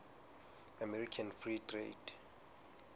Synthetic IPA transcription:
amɛrikʰanfritʰʼrḛd

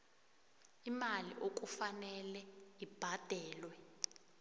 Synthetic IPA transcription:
imaliʔok̬ʼufanɛlɛib̥ʱad̥ʱɛːlwɛ

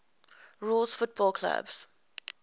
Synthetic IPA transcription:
ɹuːlzfʊt̚b̥ɔlˠkʰla̰bz̥

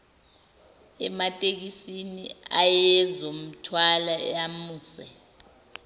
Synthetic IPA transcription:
ɛmatʼek̬isiniajɛzom̩tʰwalaamuːsɛ

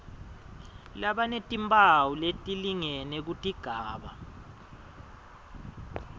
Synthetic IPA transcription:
laɓanetʼimbʱʼawuletʼiliŋɛnɛk̬utʼiɡ̥ʱaːɓa̰

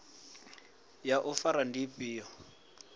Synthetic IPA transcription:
jaʔʊfaɾandipʼiːɔ

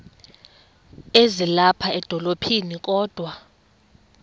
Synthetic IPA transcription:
ezilapʰaɛd̥ʱɔlopʰinik̬ʼɔːd̥ʱwa

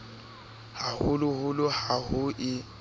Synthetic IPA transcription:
hahʊlʊhʊlʊhahʊʔɪ

